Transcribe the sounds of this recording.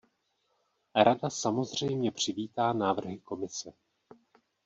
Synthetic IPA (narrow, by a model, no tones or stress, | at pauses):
ɾadasamo̞zr̝ɛjmɲɛpr̝̥ɪviːt̪aːnaːvr̩ɦɪko̞mɪsɛ